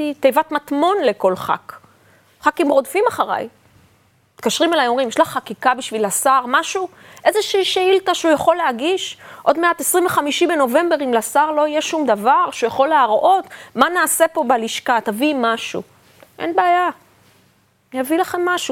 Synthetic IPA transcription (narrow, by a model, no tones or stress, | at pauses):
it̪ejvat̪matmo̞nleko̞lχa̰k | χakimʁo̞dfimaχaʁa̰j | t̪kaʃʁimelajomʁimjɛʃlaχakikabiʃvilasaʁmaʃu | ʔe̞zeʃiʃeiltaʃeujaχo̞leaɡiʃʔo̞d̪meat̪esʁiɱveχamiʃibeno̞ve̞mbeʁimlasaʁlo̞ijeʃumd̪avaʁʃujaχo̞leaʁʔo̞t̪manaːse̞po̞baliʃkat̪avimaʃṵ | ʔḛnbeaja | javilaχe̞mːaʃu